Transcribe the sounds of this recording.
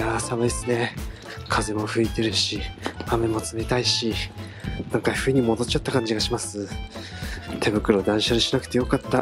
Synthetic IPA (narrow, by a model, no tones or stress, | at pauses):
jaːsaβaisɨne̞ | kʰaze̞mo̞ɸɯ̟it̪e̞ɾɯ̟ɕiame̞mo̞t͡sɨme̞t̪aiɕi | nãŋkaɸɯ̟iɲ̟imo̞d̪o̞t͡ɕat̪ːakãɲ̟d͡ʑiɡaɕimasɨ | t̪ʰe̞bɯ̟kɯ̟ɾo̞d̪ãɰ̃ɕaɾɯ̟ɕinakɯ̥t̪e̞jo̞kat̪ːa